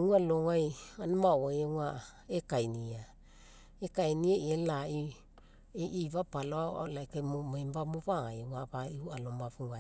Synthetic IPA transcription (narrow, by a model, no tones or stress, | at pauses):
ualoŋajanamawajea | ekajnia | ekajniaielai | eʔiβapaloaa̰lajkammajmbamuβaŋajeaβaiualomaβuŋaj